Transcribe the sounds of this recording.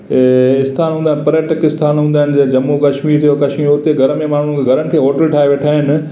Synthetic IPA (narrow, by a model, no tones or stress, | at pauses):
ɪst̪ʰaːnɦũːnd̪aːɪnɪ̆pɐɾjəʈəkɪst̪ʰaːnɦũːnd̪aːɦɪnɪ̆d͡ʑɐd͡ʑɐmːukɐʃmiːɾt̪ʰijokɐʃmiːɾoʊt̪eɡʱɐɾəmẽmaːɳ̤ʊn̆kɡʱɐɾənɪ̆kʰeːɦoːʈəlʈʰaːeʋeːʈʰaːɦɪnɪ̆